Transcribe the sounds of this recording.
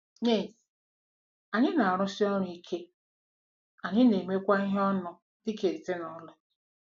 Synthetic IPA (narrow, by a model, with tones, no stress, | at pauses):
ɲe˦˨s | a˨ɲɪ˦na˨a˨ɾʊ˦si˦ɔ˦ɾi˦kʰe˦ | a˨ɲɪ˦ne˨me˦kʷa˦ɪ˦ɦɔ˦nʊ˨ | dɪ˦ke˨ɾte˦nɔ˨˦lʊ˦